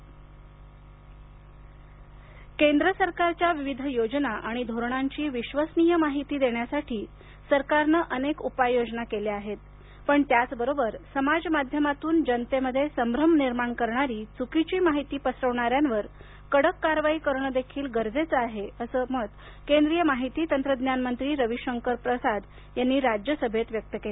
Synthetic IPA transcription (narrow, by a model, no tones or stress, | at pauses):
kend̪ɾəsəɾkaɾt͡ɕjaʋiʋid̪ʱjod͡ʑnaʔaɽ̃id̪ʱoɾɳ̃aɲt͡ɕiːʋiɕʋəsnijəmaɦit̪iːd̪eɳjasaʈʰiː | səɾkaɾnəʔənekupajːod͡znakeleaɦet̪̚ | pəɳt̪jat͡sbəɾobəɾsəmad͡zmad̪ʱjəmat̪uːnd͡ʑənt̪eməd̪ʱːjesəmbɾəmniɾmaɳkəɾɳaɾiːt͡sukit͡ɕiːmaɦit̪iːpəsɾəʋɳaɾjanʋəɾ | kəɽəkːaɾʋaiːkəɾɳəd̪ekʰiːlɡəɾd͡zet͡səaɦeəsəːmət̪ | kend̪ɾijəmaɦit̪iːt̪ənt̪ɾəd̪njanmənt̪ɾiːɾəʋiɕəŋkəɾpɾəsad̪ | janːiːɾad͡ʑjəsəbʱet̪ʋjək̚t̪əkele